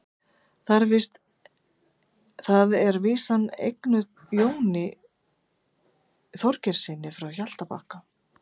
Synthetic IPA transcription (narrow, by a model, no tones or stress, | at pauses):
θaɾvɪst̪ | θaðɛɾviːsanːḛjknʏ | joːwnɪ | θɔɾcɛɾ̥sɪnːɪfɾawçal̥t̪apa̰ːhka